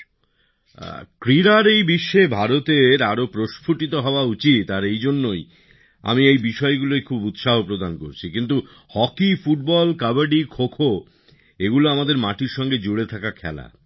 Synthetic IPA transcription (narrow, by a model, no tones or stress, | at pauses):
kɾiɾaɾejbiʃːebʱaɾot̪eɾaɾopɾoʃpʰuʈit̪̬oɦɔoaut͡ɕit̪aɾejd͡ʑonːoj | a̰miejbiʃɔeɡulojkʰubut̪ʃaɦopɾod̪ankoɾt͡ɕʰikint̪̬u | hɔkifuʈ̚bɔlkabaɾɖikʰokʰo | eɡuloamad̪eɾmaʈiɾʃɔŋɡed͡ʑoɽet̪ʰakakʰɛ̰la̰